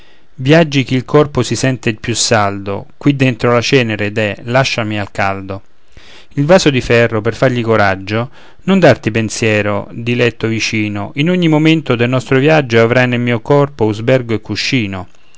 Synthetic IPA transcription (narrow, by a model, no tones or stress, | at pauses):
vjad͡ʒːik̟iːlkʰɔrposisɛnt̪epjusːald̪o̰kwid̪ːent̪ɾolat͡ʃɛːneɾed̪ɛlaʃːamialkald̪o | ilvaːsod̪ifɛrːoperfarʎikoɾad͡ʒːo | nond̪art̪ipensjɛːɾo̰d̪ilɛt̪ːovit͡ʃiːnoʔinoɲːimoment̪od̪elnɔst̪ɾovjad͡ʒːoavɾajnelmiːokɔrpouzbɛrɡoekːuʃːiːno